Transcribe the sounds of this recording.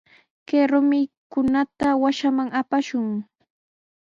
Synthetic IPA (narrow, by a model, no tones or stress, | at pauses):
keɾʊmɪkʊnat̪awaʃamaŋapaʃʊŋ